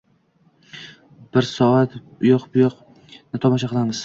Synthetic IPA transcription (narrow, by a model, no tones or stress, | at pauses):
b̥ɪɾsɒat̪bʊjoqbʊjoq | nɪt̪ʰɒmɒʃ̬aqɨlˠanɪs